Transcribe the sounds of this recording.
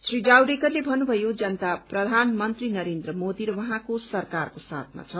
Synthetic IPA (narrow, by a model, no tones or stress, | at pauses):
srid͡zawɾekʌrlebʱʌnːubʱʌjod͡zʌnt̪aprʌd̪ʱanmʌnt̪rinʌɾend̪rʌmod̪iɾʌwʌɦãkosʌrkarkosa̰t̪̚ʰma̰t͡sʰʌ